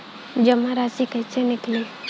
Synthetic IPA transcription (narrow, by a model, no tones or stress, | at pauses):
d͡ʒɐmːaɾaːsikɐjt͡ʃʰenɪkli